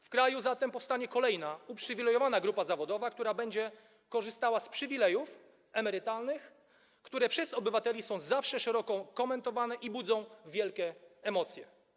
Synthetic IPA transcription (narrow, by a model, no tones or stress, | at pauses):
fkɾajuzat̪ɛmpɔfst̪aɲɛkɔlɛjnaupʂɘvʲilɛjɔvanaɡɾupazavɔd̪ɔvakt̪uɾabɛɲd͡ʑɛ | kɔʐɘst̪awaspʂɘvʲilɛjuf | ɛmɛɾɘt̪alnɘx | kt̪uɾɛpʂɛzɔbɘvat̪ɛlʲisɔ̃w̃zafʂɛʂɛɾɔkɔkɔmɛnt̪ɔvanɛʔibud̪zɔ̃w̃vʲjɛlkʲɛːmɔt̪sʲjɛ